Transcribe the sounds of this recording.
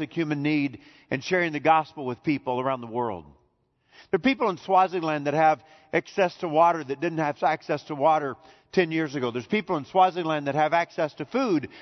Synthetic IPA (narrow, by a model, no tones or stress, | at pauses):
ɨkhjʉmɨ̃nːiɾ | ʔɨ̃nʃɛɹɪ̃ŋðɨɡɑspl̩ˠwɨð̥pipl̩ˠə˞ãʊ̃nðəwɜ˞lˠd̚ | ðə˞pipl̩ˠə̃nswaɪzɪ̃ŋlæ̃nðɨt̚hɨv | æksɛstʰəwɔɾə˞ðɨt̚d̥ɪdⁿn̩t̚hɨv̥æksɛstʰəwɔɾə˞ | tʰɛ̃njɪɹzɨɡoʊðə˞z̥pipl̩ˠə̃nswazɪ̃ŋlæ̃nðɨt̚hɨvæksɛstʰɨfud